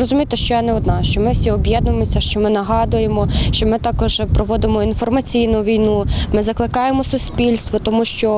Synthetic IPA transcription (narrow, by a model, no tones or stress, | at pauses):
rɔzʊmʲijt̪eʃt͡ʃɔjanɛɔd̪nɑʃt͡ʃɔmɪwsʲiɔbʲjɛd̪nʊmɔsʲɐʃt͡ʃɔmɪnɐɦɑd̪ʊjemɔʃt͡ʃɔmɪt̪ɑkɔʒpɾɔʋɔd̪ɪmɔinfɔrmɐt͡sʲijnʊʋʲijnumɪzɐklˠɪkɑjemɔsʊsʲpʲilʲst̪ʋɔt̪ɔmuʃt͡ʃɔ